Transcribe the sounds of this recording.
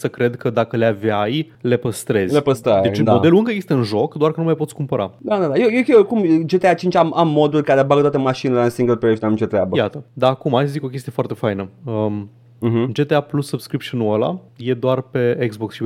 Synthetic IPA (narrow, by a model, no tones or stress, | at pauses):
səkɾe̞d̪kʰəd̪akəleavaj | le̞pəst̪ɾe̞zlepəst̪ɾaj̪et͡ʃ̪amo̞d̪e̞luɨŋkəjeɡest̪əɨnʒo̞kd̪oarkənumajpotsʲkumpəɾa̰d̪ad̪ad̪ajejekʲekumd͡ʒet̪eat͡ʃint͡ʃʲamamːo̞d̪ulrʲkaɾebaɡət̪at̪emaʃinelensiŋɡəlpeʃamit͡ʃot̪ɾeabəjat̪əd̪aːkumajsəzikokʲe̞s̬t̪ije̞foart̪e̞fajnəə | ɦd͡ʒe̞t̪eaplusːubskɾipʃunuəla̰ | je̞d̪oarpe̞eɡzboksʃi